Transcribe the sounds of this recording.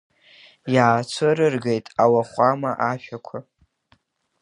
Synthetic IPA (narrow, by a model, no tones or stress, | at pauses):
jaːt͡sʷʰɨɾɨrɡejtʼawaχʷamaʔaʃᶣakʷʰa